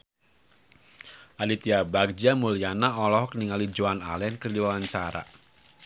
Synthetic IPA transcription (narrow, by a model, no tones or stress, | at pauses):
ʔalit̪iabak̚d͡ʒamulijanaɔlɔhkəniŋalid͡ʒoana̰lɛnkərliwawaɲt͡ʃaɾa̰